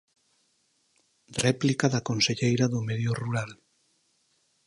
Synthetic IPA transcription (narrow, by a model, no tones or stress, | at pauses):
rɛplikaðakonseʎejɾaðomeðjoruɾal